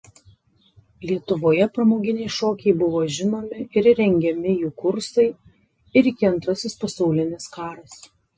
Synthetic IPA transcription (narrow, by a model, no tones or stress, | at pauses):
lʲiɛt̪ʊʋoːjɛpɾɐmoːɡʲɪnʲɛɪʃoːkʲɛɪbʊʋoːʒʲɪnoːmʲɪɪɾɾʲɛŋʲɡʲɛmʲɪjuːkʊɾsɐɪ | ɪɾɪkʲɪɐnt̪ɾɐsʲɪspɐsɐʊlʲɪnʲɪskɑːɾɐs